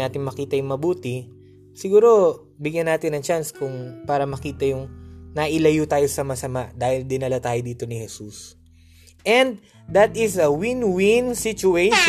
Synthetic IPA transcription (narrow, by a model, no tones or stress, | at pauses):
aːt̪ɪŋmɐkiːt̪ɐjʊŋmɐbuːt̪ɪ | sɪɡuːɾo̞ | bɪɡjɐnaːt̪ɪnɐŋt͡ʃanskʊŋpaːɾɐmɐkiːt̪ɐjʊŋnɐʔɪlɐjut̪aːjo̞sɐmɐsɐmaʔd̪aːhɪld̪ɪnɐlat̪aːjod̪iːt̪o̞nɪhɛsus | ʔɛnd̪̚ | d̪ɐt̪ɪsɐwɪnwɪnsɪt͡ʃʊejʃ